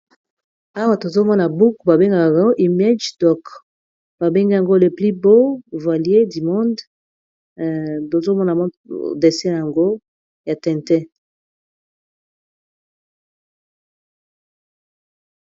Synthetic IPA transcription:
a˦wa˨to˨zo˦mɔ˦na˨bu˦kba˨be˦ŋɡa˨ka˨ka˨o˦ʔi˨ma˦d͡ʒdɔ˨k | b̥a˨be˦ŋɡi˦ja˨ŋɡo˦le˨pli˦bo˦vwa˨lje˦di˨mɔ̃˦nd | to˨zo˦mɔ˦na˨mɔ˦˨de˨sɛ˦n˨ja˨ŋɡo˦ | ja˨tɛ̃˨ntɛ˦

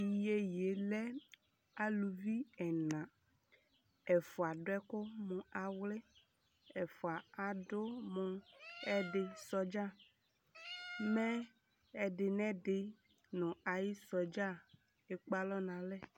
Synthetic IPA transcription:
i˨je˦je˨lɛ˦ | a˦lu˨vi˦ɛ˨nã˨ | ɛ˨fo˨a˨ɖo˦ɛ˦kʊ˦mõ˨a˨wle˦ | ɛ˨fo˨a˨a˨dʊ˦mõ˨ɛ˦ɖe˨sɔ˦d͡ʒa˦˨ | mɛ̃˦ | ɛ˦ɖɪ˨nɛ̃˦ɖɪ˨ | nɔ̃˨a˨ji˦sɔ˨d͡ʒa˦ | e˨k͡pa˦lɔ˦nã˨lɛ˦

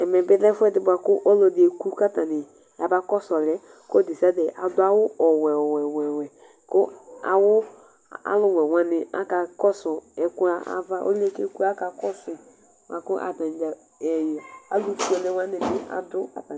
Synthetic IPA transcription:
ɛ˨mɛ˨bɪ˦dɛ˦fʊ˦ɛ˦dɪ˨bʊ˨a˨kʊ˦ʔo˦lo˧dɪ˨e˨ku˦ka˦ta˨nɪ˨ | ja˨ba˦kɔ˦sɔ˨lɛ˦ | kdi˨sa˦dɛ˨ʔa˨dʊ˦a˦wʊ˦ɔ˨wɛ˨ɔ˨wɛ˨wɛ˨wɛ˨ | kʊ˦a̰˨wʊ˦ | a̰˦lʊ˦wɛ˨wã˨nɪ˨a̰˦ka˧kɔ˦sɔ˨ɛ˨kʊ˦a˦a̰˦va˦ʔo̰˦le˦ke˦ku˦a˦ka˨kɔ˦sɪ˨ | ba˨kʊ˦ʔa̰˨ta˨n˨d͡ʒa˨ | ɛ˨jɔ˨a˨lu˦fu˦ɛ˨lɛ˦wã˦nɪ˨bɪ˦a̰˨dʊ˦ka̰˨ta˨

